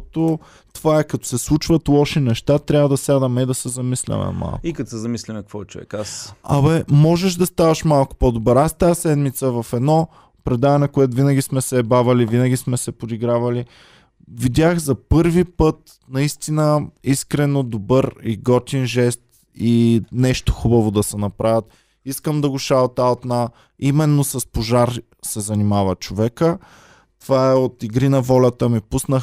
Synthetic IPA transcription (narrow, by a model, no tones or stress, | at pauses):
t̪o | t̪ovaɛkɐt̪o̥sɛslˠut͡ʃvɐt̪lˠɔʃinɛʃt̪at̪ɾʲavəd̪ɐsjad̪ɐmɛid̪ɐsɛzɐmislʲɐ̰mɛ̰ma̰lˠkikɐt̪sɛzɐmislʲɛmɛk̚kvɔt͡ʃuɛ̰kasɐ̰bɛmɔʒɛʃd̪ɐst̪avɐʃmalˠkʊ̥pod̪obəɾast̪asɛd̪mit̪səvɐfɛd̪nɔ | pɾɛd̪avɐnɛkoɛt̪ʊvinəɡʲismɛsɛbavɐlivinəɡʲismɛsɛpod̪iɡɾavɐli | vid̪ʲjaxzɐpɤɾvipɤt̪̚ | nɐist̪inəiskɾɛnod̪obɤɾiɡɔt̪ʲinʒɛst̪ | inɛʃt̪o̥xubɐvod̪ɐsɛnɐpɾavʲət̪̚ | iskəmd̪ɐɡʊʃalˠt̪at̪na | imɛnːosɐspoʒaɾ | sɛzɐnimavɐt͡ʃovɛkə | t̪ovaɛot̪iɡɾinɐvɔlʲɐt̪əmipusnəx